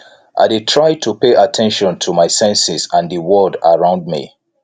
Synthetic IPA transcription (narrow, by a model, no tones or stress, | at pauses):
ʔa̰ɪdɪtʰɹaɪtʰupeʔatʰɛ̃nʃɔ̃ntʰumaɪsɛ̃nsɪzãndiwɔdaɹãʊ̃nd̚mḭ